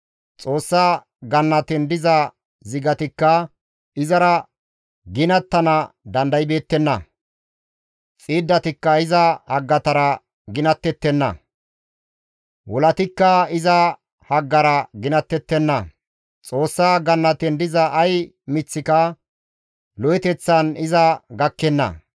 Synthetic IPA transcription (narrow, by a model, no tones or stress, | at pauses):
t͡sʼo̞ːsːaː | ɡɐnːɐt̪ɪnd̪ɪzɐ | zɪɡɐt̪ɪkːɐ | ɪzɐɾɐ | ɡɪnɐt̪ːɐnɐd̪ɐnd̪ɐjbe̞ːt̪ːɛnːɐ̰ | t͡sʼiːd̪ːɐt̪ɪkːɐɪzɐhɐɡːɐt̪ɐɾɐ | ɡɪnɐt̪ːɛt̪ːɛnːɐ̰ | wɔlɐt̪ɪkːɐɪzɐ | hɐɡːɐɾɐɡɪnɐt̪ːɛt̪ːɛnːɐ | t͡sʼo̞ːsːaːɡɐnːɐt̪ɛnd̪ɪzɐʔːj | mɪt͡sːɪkɐ | lɔjɛt̪ɛt͡sːɐnɪzɐɡɐkːɛnːɐ̰